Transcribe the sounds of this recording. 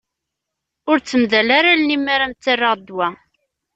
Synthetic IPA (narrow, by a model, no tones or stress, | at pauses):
ʊɾt͡sːəmðælaɾalnimːaɾamt͡s̪ːərːəʁd̪ːwæ